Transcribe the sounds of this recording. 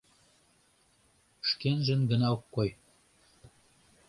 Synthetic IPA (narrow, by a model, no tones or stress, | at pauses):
ʃkenʒə̆nɡə̆nɑokːoj